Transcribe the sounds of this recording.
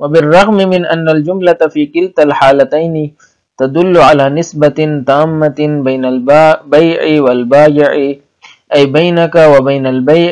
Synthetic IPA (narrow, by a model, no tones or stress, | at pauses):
wabɪrˤːɑɣmɪmɪnʔanːald͡ʒʊmlaafiːkɪlt̪alħaːlat̪ajnɪ | t̪ad̪ʊlːʊʕalaːnɪsbat̪aːmːabajnalbbajʕɪwalbaːjɪʕɪ | ʔajbajnakawabajnalbajʕ